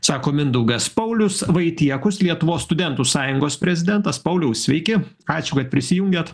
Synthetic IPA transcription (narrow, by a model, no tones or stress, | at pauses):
sɑːkoːmʲɪnd̪uɡɐspɐʊlʲʊsʋɐɪt̪ʲiɛkʊslʲiɛt̪ʊʋoːsst̪ʊd̪ʲɛnˑt̪usɑːjʊŋɡoːspʲɾʲɛzʲɪd̪ʲɛnt̪ɐspɐʊlʲɛʊssʲʋʲɛɪkʲɪ | ɑːt͡ʃʲʊkɐt̪̚pʲɾʲɪsʲɪjʊŋʲɡʲeːt̪